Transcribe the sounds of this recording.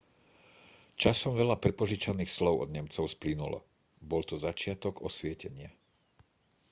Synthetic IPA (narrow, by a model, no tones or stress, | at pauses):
t͡ʃasɔmʋɛʎapɾɛpɔʒit͡ʃaniːxslɔʊɔ̰d̪ɲɛmt͡sɔʊsplinulɔ̰ | bɔlt̪ɔzat͡ʃɪat̪ɔɡɔsʋɪɛcɛɲɪa